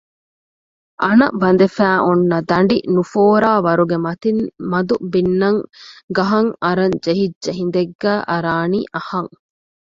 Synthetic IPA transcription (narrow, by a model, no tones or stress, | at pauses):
ʔɐnɐ̰bɐnd̪efæːʔunːɐd̪ɐɳɖinufoːɾaːʋɐɾuɡemɐt̪inmɐd̪ubinːɐŋɡɐɦɐŋɐɾɐɲd͡ʒeɦidd͡ʒeɦind̪eɡːæːʔɐɾaːniːʔɐhɐŋ